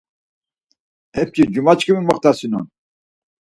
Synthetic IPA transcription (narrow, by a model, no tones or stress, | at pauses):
ɛp̚kʰid͡ʒumat͡ʃkʰʼəmimɔχt̪asinṵn